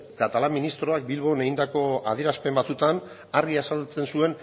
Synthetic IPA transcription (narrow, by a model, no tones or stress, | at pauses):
kat̪alamːinist̪ɾo̞ak̚bilβo̞ne̞ɣind̪ako̞a̰ðie̞ɾaspe̞mbat͡sut̪an | arɣiasalt͡se̞nsue̞n